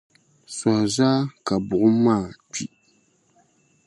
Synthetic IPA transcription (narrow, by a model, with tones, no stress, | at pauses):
sɔ˨hzaː˦ka˨bʊ˨ʔʊ˦maː˦˨ti˨